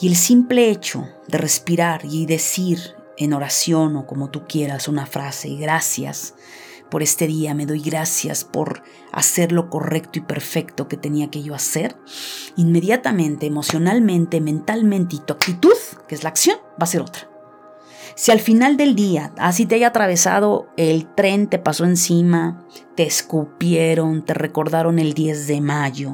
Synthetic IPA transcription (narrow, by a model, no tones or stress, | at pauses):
ie̞lsimple̞et͡ʃo̞̰ | ðe̞re̞spiɾaɾiðe̞siɾ | e̞no̞ɾasjo̞no̞ko̞mo̞t̪ukje̞ɾasunafɾase̞̰ɣɾasja̰s | po̞ɾe̞st̪e̞ðiame̞ðo̞jɣɾasja̰spo̞̰ɾ | a̰se̞ɾlo̞ko̞re̞kt̪oipe̞ɾfe̞kt̪o̞ke̞t̪e̞niake̞ʝo̞ase̞ɾinme̞ðjat̪amẽ̞nt̪e̞ːmo̞sjo̞nalmẽ̞nt̪e̞mẽ̞nt̪almẽnt̪eit̪uakt̪it̪uðkeezlaːksjo̞nbase̞ɾo̞̰t̪ɾḁ | sialfinald̪e̞ld̪iaas̬it̪̬eaʝat̪ɾaβ̞e̞sa̰ð̞o̞e̞lt̪ɾe̞nt̪e̞paso̞ensimat̪e̞ːskupjeɾo̞nt̪e̞re̞ko̞ɾðaɾo̞ne̞ld̪je̞zðe̞maʝo̞